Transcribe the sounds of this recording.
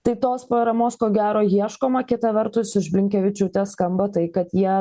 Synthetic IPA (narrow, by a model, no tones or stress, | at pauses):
t̪ɐɪt̪oːspɾoɾɐmoːskoːɡʲæːɾoːjiɛʃkoːmɐkʲɪt̪ɐʋʲɛɾt̪ʊsɪʒbʲlʲɪŋʲkʲɛʋʲɪt͡ʃʲʊːt̪ʲɛskɐmbɐt̪ɐɪkɐt̪jiɛ